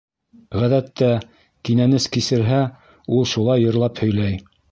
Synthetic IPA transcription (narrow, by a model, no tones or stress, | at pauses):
ʁæðæt̪ːæ | kinænɘskisɘ̆ɾɦæ | ulˠʃulˠɑjːɤ̆ɾlˠɑphɵ̆jlæj